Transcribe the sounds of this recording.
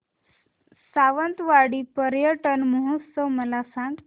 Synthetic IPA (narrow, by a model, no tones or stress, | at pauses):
saʋənt̪ʋaɽiːpəɾjəʈənməɦot̪səʋməlasãŋɡ